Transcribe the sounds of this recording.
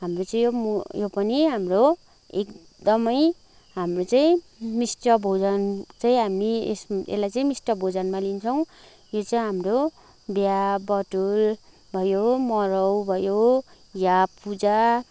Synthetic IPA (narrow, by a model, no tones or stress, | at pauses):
ɦamrot͡saĩjjopʌniɦamro | ek | d̪ʌmʌj | ɦamrot͡saĩ | misʈʌbʱod͡zʌnt͡saĩɦamiḛsḛlajt͡saĩmisʈʌbʱod͡zʌnmalint͡sʰʌw̃ | jot͡saĩɦamro | bjabʌʈul | bʱʌjomʌɾʌwbʱʌjo | japːud͡za